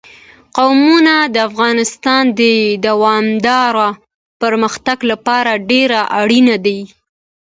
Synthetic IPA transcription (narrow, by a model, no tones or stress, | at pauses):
qawmunad̪əafɣɑnɪst̪ɑnd̪əd̪awɑmd̪ɑɾa | pəɾməxt̪aɡlapɑɾaɖeɾaʔaɽinad̪a